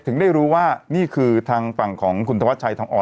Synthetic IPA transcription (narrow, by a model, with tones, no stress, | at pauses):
t̪ʰɯ˩˦ŋda˥˩jɾuː˦˥waː˥˩niː˥˩kʰɯː˧t̪ʰaː˧ŋfa˨˩ŋkʰɔː˩˦ŋkʰu˧nt̪ʰa˧a˦˥t͡ɕʰa˧jt̪ʰaː˧ŋʔɔː˨˩